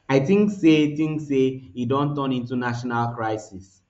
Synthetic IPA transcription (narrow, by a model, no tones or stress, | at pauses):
aɪtĩŋksetĩŋkseidɔ̃ntɔ̃nĩntunaʃɔnalkɹaɪsis